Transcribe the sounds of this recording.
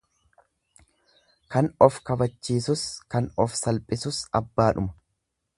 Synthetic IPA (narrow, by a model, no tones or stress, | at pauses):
kɐnɔfkɐbɐt͡ʃːiːsʊskɐnɔfsɐlpʼɪsʊsɐbːaːᶑʊmɐ̥